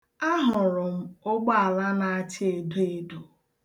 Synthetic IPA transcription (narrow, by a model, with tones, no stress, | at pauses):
a˦ɦʊ˨ɾʊ˨m̩˦o˦ɡ͡bɔ˦a˨la˦na˨a˦t͡ʃɪ˦e˨do˦e˦du˨